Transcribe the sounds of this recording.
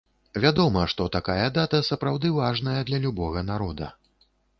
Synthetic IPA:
vʲad̪ɔmɐʂt̪ɔt̪akajɐd̪at̪ɐsɐpɾawd̪ɨvaʐnɐjɐd̪lʲɐlʲubɔɣɐnaɾɔd̪ɐ̰

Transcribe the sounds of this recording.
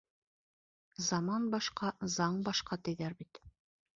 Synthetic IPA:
zɑmɑnbɑʃqɑzɑɴbɑʃqɑt̪ɘ̆jðæɾbit̪

